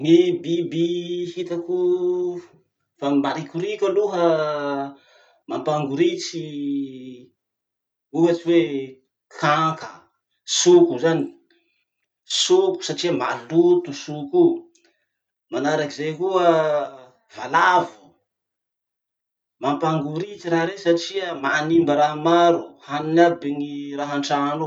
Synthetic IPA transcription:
mibibihit̪aku | famaɾikuɾikʲaluɦə | mampaŋɡuɾit͡si | ukat͡ʃiwe | kʰaŋkə | sukuzani̥ | suku̥saʈ͡ʂiəmalut̪usuku | manaɾakizejkuə | v̥alavu̥ | mampaŋɡuɾit͡siɾaɾesaʈ͡ʂiəmanimbəɾaɦmaɾuhaninabiŋiraɦaɳʈ͡ʂano

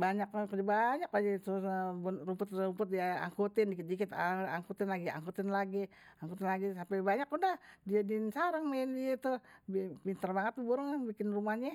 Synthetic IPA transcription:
baɲakkəd͡ʒabaɲakad͡ʒit̪ubunrumpʊt̪umpʊt̪̚diaa̰ŋkut̪ɪndikɪt̪̚dikɪt̪aŋkut̪ɪnlaɡia̰ŋkut̪ɪnlaɡiaŋkut̪ɪnlaɡisampɛbaɲakudahdiadinsaɾəŋmendit̪ubipint̪ərbaŋət̪̚ːubuɾʊŋbikɪnrumahɲa

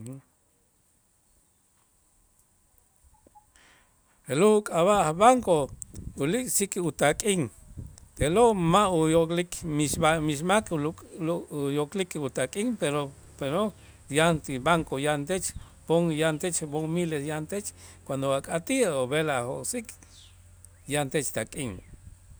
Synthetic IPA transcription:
eloukʼaβaʔhbaŋkoulikʼsikut̪akʼiŋt̪eloʔmaujoklikmiʃamiʃ̬makuujoklikut̪akʼiŋpeɾo | peɾo | jant̪ibaŋkojant̪et͡ʃ | boŋjant̪et͡ʃboŋmilesjant̪et͡ʃkwand̪oakʼat̪iaoβelahokʼsik | jant̪et͡ʃt̪akʼiŋ

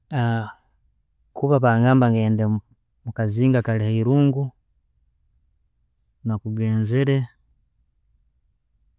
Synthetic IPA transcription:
a | kʰuβaβaŋɡaːmbaŋɡeːnde | mukaziːŋɡakalihaiɾuːŋɡu | nakuɡeːnzeɾe

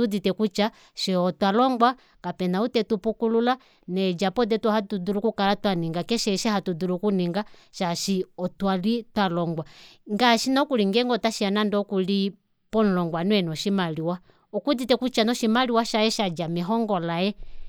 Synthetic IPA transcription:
uditɛkut͡ʃa | ʃɛɔtwalɔŋɡwa | kapɛnautɛtupukulula | nɛd͡ʒapɔdɛtwɔhatudulukukalatwaniŋɡakɛʃɛʃɛhatudulukuniŋɡa | ʃaʃiɔtwalitwalɔŋɡwaŋɡaʃinɔkuliŋɡɛŋɡɔtaʃianandɔkuli | pɔn̩lɔŋɡwanwɛnɔʃimaliwa | ɔkuditɛkut͡ʃanɔʃimaliwaʃajɛʃad͡ʒamɛɦɔŋɡɔlajɛ

